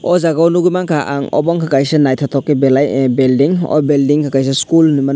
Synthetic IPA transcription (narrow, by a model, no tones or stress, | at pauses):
ɔzaɡawnuɡujmaŋkʰaʔa̰ŋɔ̰bɔŋkʰakajsɯnajtʰatʰɔkːibelajbeldiŋɔ̰beldiŋkʰakajs̬ɯskulniman